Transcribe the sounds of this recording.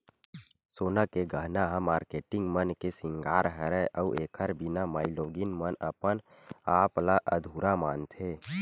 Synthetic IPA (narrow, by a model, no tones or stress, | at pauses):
soːnakeɡʱəɦnaɦãmaːɾkeːʈɪ̃ŋɡmənkesɪ̃ŋɡaːɾɦəɾɛʔəuʔeːkʰəɾbinamaːɪloːɡinmənəpən | aːplaʔəd̪ʱuːɾamaːnt̪ʰe